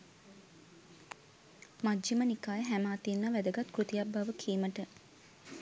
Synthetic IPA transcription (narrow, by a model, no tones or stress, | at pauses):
mad͡ʒːimənikaːjəɦæmaːt̪ienːaʋæd̪əɡat̪kɾut̪ijabbaʋəkʰiːməʈə